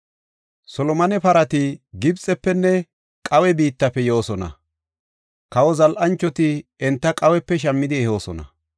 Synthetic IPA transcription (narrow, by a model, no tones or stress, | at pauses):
sɔlɔmɐnɛpɐɾɐt̪ɪɡɪbt͡sʼːɛpːɛnːɛ | kʼɐwɛbiːt̪ːɐpːɛjo̞ːsɔnɐ̰ | kɐwɔzɐlʔɐnt͡ʃːɔt̪ɪɛnt̪ːɐkʼɐwɛpːɛʃ̬ɐmːɪd̪ɪɛho̞ːsɔ̰nɐ̰